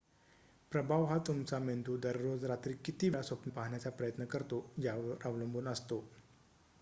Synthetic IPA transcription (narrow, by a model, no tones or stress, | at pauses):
pɾəbʱaʋɦat̪umt͡samend̪uːd̪əɾːod͡zɾat̪ɾiːkːit̪iːʋlasʋəpnəpaɦɳjat͡sapɾəjət̪nəkəɾt̪od͡ʑaʋəɾʔəʋləmbʱuːnəst̪o